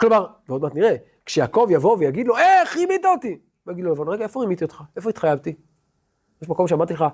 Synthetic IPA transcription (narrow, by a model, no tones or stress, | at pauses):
klomaʁveo̞d̪mat̪niʁe | kʃejaːko̞vjavo̞vejaɡid̪lo̞eχimit̪aot̪i | maɡid̪lolavonʁeɡaefoʁimit̪iot̪χaefoit̪χajavt̪i | jeʃmako̞mʃeamaʁt̪ileχa